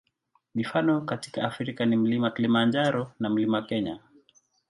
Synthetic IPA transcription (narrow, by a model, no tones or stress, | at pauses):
mifanɔkati̥kaafɾikanim̩limakilimand͡ʒaɾɔnam̩limakɛɲa̰